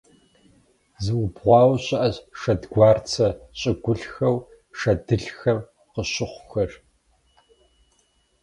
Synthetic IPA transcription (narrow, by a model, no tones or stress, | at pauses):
zɨwʊbʁʷɑːwɕɐʔɐɕʂɐdɡʷɑːrt͡sʰɐɕʼɪɡʷʊɬxɐw | ʂɐdɨɬxɐr | qəɕɪχʷʊxɐr